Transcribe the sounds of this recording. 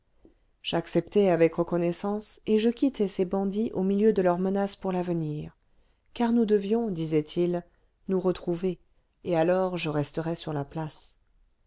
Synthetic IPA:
ʒ̥aksɛpt̪ɛavɛkʁəkɔnɛsɑ̃seʒəkʲit̪ɛsebɑ̃d̪iʔomiljød̪əlœʁmənaspuʁlavəniːʁ | kaʁnud̪əvjɔ̃d̪izɛt̪ʰil | nuʁət̪χuveː | alɔʁʒəʁɛst̪əʁɛsyʁlaplas

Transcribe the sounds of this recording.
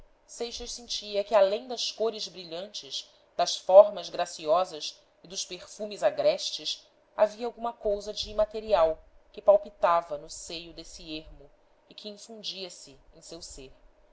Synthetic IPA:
sejʃɐʃsĩnt͡ʃiɐkɪalẽj̃d̪ɐskoɾɪzbɾiʎɐ̃nt͡ʃɪz | d̪ɐʃfɔɾmɐzɡɾasiɔzɐz | ɪd̪ʊʃpeχfũmɪzaɡɾɛʃt͡ʃɪs | aviɐawɡũmɐkowzɐd͡ʒɪmat̪eɾiawkɪpawpit̪avɐnʊsejʊd̪esɪeɾmʊ | ɪkʰɪĩfũnd͡ʒiɐsɪẽj̃sewseɾ

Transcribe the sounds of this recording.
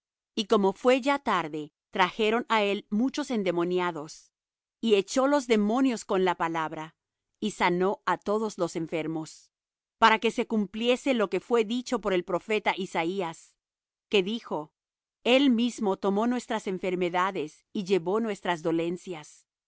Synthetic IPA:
iko̞mo̞fwe̞ʝat̪aɾðe̞ | t̪ɾaxe̞ɾo̞nae̞lmut͡ʃo̞se̞nd̪e̞mo̞njaðo̞s | ie̞t͡ʃo̞lo̞zðe̞mõ̞njo̞sko̞nlapalaβɾa | isano̞at̪o̞ðo̞zlo̞se̞ɱfe̞ɾmo̞s | paɾake̞se̞kumplje̞se̞lo̞ke̞fwe̞ðit͡ʃo̞po̞ɾe̞lpɾo̞fe̞t̪aʔisaias | ke̞ðixo̞ | e̞lmizmo̞t̪o̞mo̞nwe̞st̪ɾase̞ɱfe̞ɾme̞ðaðe̞s | iʝe̞βo̞nwe̞st̪ɾazðo̞le̞nsjas

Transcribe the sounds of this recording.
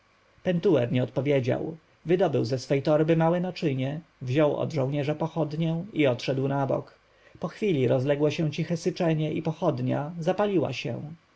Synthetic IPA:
pɛnt̪uɛɾɲɛɔt̪̚pɔvʲjed͡ʑa̰w | vɘd̪ɔbɘwzɛsfɛjt̪ɔɾbɘmawɛnat͡ʂɘɲɛvʑɔwɔ̰d̪ʐɔ̃w̃ɲɛʐɛpɔxɔd̪ɲɛiɔt̪ʂɛd̪wnabɔ̰k | pɔxfʲilʲiɾɔzlɛɡwɔɕɛw̃t͡ɕixɛsɘt͡ʂɛɲɛʔipɔxɔd̪ɲa̰zapalʲiwa̰ɕɛ̰w̃

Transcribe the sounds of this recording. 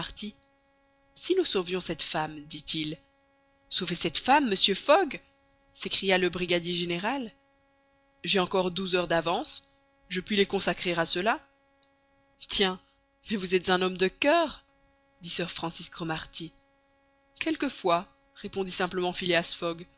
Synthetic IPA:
ʁt̪i | sinusovjɔ̃sɛt̪famd̪it̪il | sovesɛt̪famːəsjøfɔɡ | sekχijaləbʁiɡad̪jeʒeneʁal | ʒɛɑ̃kɔʁd̪uzœʁd̪avɑ̃s | ʒəpɥilekɔ̃sakχeʁasəla | t̪jɛ̃ | mɛvuzɛt̪zɛ̃nɔmd̪əkœːʁ | d̪isœʁfχɑ̃sisɡʁɔmaʁt̪i | kɛlkəfwa | ʁepɔ̃d̪isɛ̃pləmɑ̃fileasfɔɡ

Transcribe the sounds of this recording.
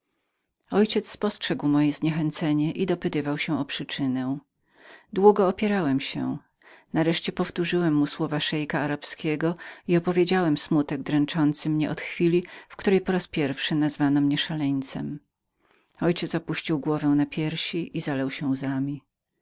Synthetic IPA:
ɔjt͡ɕɛt̪sspɔstʂɛɡwmɔjɛzɲɛxɛnt̪sɛɲɛʔid̪ɔpɘt̪ɘvawɕɛ̃ɔpʂɨt͡ʂɘnɛ | d̪wuɡɔːpʲjɛɾawɛmɕɛ̰ | naɾɛʂt͡ɕɛpɔft̪uʐɘwɛmːuswɔvaʂɛjkaːɾapskʲɛɡɔiɔpɔvʲjed͡ʑawɛmsmut̪ɛɡ̚d̪ɾɛnt͡ʂɔnt̪sɘmɲɛʔɔt̪xfʲilʲifkt̪uɾɛjpɔɾaspʲjɛɾfʂɘnazvanɔmɲɛʂalɛɲt̪sɛ̰m | ɔjt͡ɕɛt̪sɔpuɕt͡ɕiwɡwɔvɛ̃w̃napʲjɛɾɕiʔizalɛwɕɛzamʲi

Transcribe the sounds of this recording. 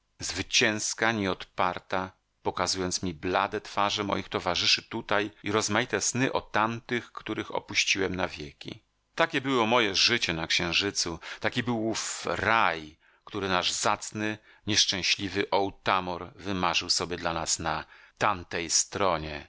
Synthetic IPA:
zvɘt͡ɕɛ̃w̃skaɲɛɔt̪paɾt̪a | pɔkazujɔnt̪smʲiblad̪ɛt̪faʐɛmɔ̰jixt̪ɔvaʐɘʂɘt̪ut̪ajiɾɔzmajit̪ɛsnɘʔɔt̪ant̪ɘxkt̪uɾɘxɔ̰puɕt͡ɕiwɛmnavʲjɛkʲḭ | t̪akʲɛbɘwɔmɔjɛʐɘt͡ɕɛnakɕɛ̃w̃ʐɘt̪sut̪akʲibɘwufɾaj | kt̪uɾɘnaʐzat̪snɘ | ɲɛʂt͡ʂɛ̃w̃ɕlʲivɘʔɔwt̪amɔɾvɘmaʐɘwsɔbʲjɛd̪lanasnat̪ant̪ɛjst̪ɾɔɲɛ

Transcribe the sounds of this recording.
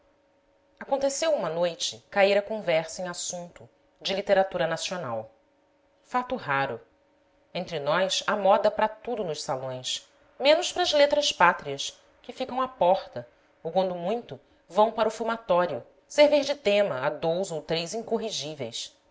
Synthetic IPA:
akõnt̪esewũmɐnojt͡ʃɪkaiɾɐkõvɛɾsɐẽŋ̃asũnt̪ʊ | d͡ʒɪlit̪eɾat̪uɾɐnasiona̰w | fat̪ʊɦaɾʊ | ẽnt̪ɾɪnɔjsamɔd̪ɐpɾɐt̪ud̪ʊnʊʃsalõj̃s | mẽnʊʃpɾɐzlet̪ɾɐspat̪ɾiɐs | kɪfikɐ̃w̃apɔχt̪ɐ | owkwɐ̃nd̪ʊmũj̃t̪ʊ | vɐ̃w̃paɾʊfumat̪ɔɾiʊ | seɾviɾd͡ʒɪt̪ẽmɐad̪owzowt̪ɾejzĩŋkoɦiʒivḛjs

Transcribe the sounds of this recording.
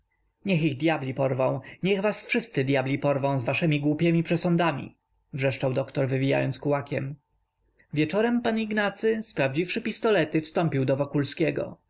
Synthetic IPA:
ɲɛxiɣd̪ʲjablʲipɔɾvɔ̃w̃ɲɛɣvasfʂɘst̪sɘd̪ʲjablʲipɔɾvɔ̃w̃zvaʂɛmʲiɡwupʲjɛmʲipʂɛsɔnd̪amʲḭ | vʐɛʂt͡ʂawd̪ɔkt̪ɔɾvɘvʲija̰jɔnskuwakʲɛm | vʲjɛt͡ʂɔɾɛmpaniɡnat̪sɘspɾavd͡ʑifʂɘpʲist̪ɔlɛt̪ɘfst̪ɔmpʲiwd̪ɔvɔkulskʲɛɡɔ̰

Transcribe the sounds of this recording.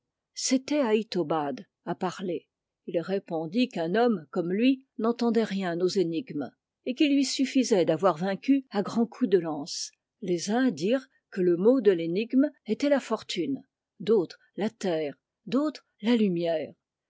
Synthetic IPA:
set̪ɛait̪obad̪ | apaʁle | ilʁepɔ̃d̪ikɛ̃nɔmkɔmlɥinɑ̃t̪ɑ̃d̪ɛʁjɛ̃nozeniɡm | ekilːɥisyfizɛd̪avwaʁvɛ̃kʲyaɡʁɑ̃kʰud̪əlɑ̃s | lezɛ̃d̪iːʁ | kələmod̪əleniɡmet̪ɛlafɔʁt̪ʰyn | d̪ot̪χ | lat̪ɛːʁ | d̪ot̪χ | lalymjɛːʁ

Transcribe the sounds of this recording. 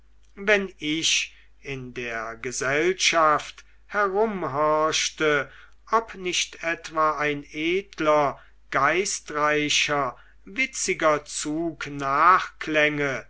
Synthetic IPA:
vɛnɪʃ | ɪndeːɐɡəzɛlʃaft | hɛʁʊmɦɔɐʃtə | ʔɔpnɪʃtɛtv̥aːaɪneːtʰlɐ | ɡ̥aɪstʁaɪʃɐ | vɪt͡sɪɡɐt͡suːknaːχklɛŋə

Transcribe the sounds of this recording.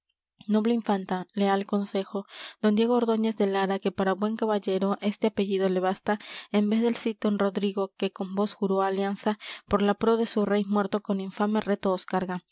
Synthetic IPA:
no̞βleiɱfant̪ale̞alko̞nse̞xo̞d̪̥ond̪je̞ɣo̞oɾðo̞ɲe̞zðe̞laɾake̞paɾaβwe̞ŋkaβaʝe̞ɾo̞ʔe̞st̪e̞ape̞ʝiðo̞le̞βast̪ae̞mbe̞zðe̞lsit̪onro̞ðɾiɣo̞ke̞ko̞mbo̞sxuɾo̞aljansapo̞ɾlapɾo̞ðe̞sure̞jmwe̞ɾt̪o̞ko̞niɱfame̞re̞t̪oːskaɾɣa

